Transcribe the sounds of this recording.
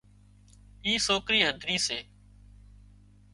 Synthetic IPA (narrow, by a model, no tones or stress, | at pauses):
iːsoːkɾiːɦənd̪ʱɾĩːseː